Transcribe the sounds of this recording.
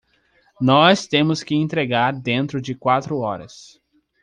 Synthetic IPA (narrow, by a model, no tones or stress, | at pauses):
nɔst̪ẽmʊskɪẽnt̪ɾeɡaɾd̪ẽnt̪ɾʊd͡ʒɪkwat̪ɾʊɔɾɐ̰s